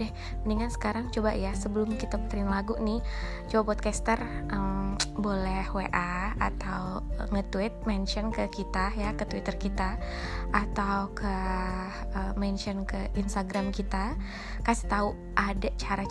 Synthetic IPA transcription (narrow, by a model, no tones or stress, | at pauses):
dɛh | məniŋansə̥kaɾaŋt͡ʃobaʔjasəbəlʊmkit̪apət̪əɾɪnlaɡuni | t͡ʃobapɔd̚kast̪ərʔəmbolɛhweʔaa̰t̪awŋət̪uɪt̪̚mɛnʃɔnkəkit̪ajakət̪uwit̪ərkit̪aʔːt̪awkʰə | əmɛnʃɔnkəʔinst̪aɡɾamkit̪a | kasi̥t̪au | ʔadat͡ʃaɾa